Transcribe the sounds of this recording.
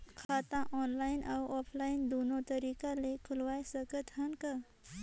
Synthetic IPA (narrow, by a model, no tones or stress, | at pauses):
kʰat̪ãʔɔnlainʔawɔpʰlaind̪onot̪əɾikalekʰulʋajsəkət̪ɦənkə